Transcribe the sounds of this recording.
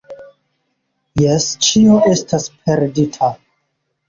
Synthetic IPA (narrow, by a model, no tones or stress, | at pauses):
jest͡ʃio̞ʔe̞staspʰe̞ɾditʰa